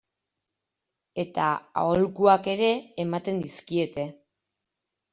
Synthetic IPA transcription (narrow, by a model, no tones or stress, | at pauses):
e̞t̪a̰a̰olkuake̞ɾe̞ːmat̪e̞nd̪iskie̞t̪e̞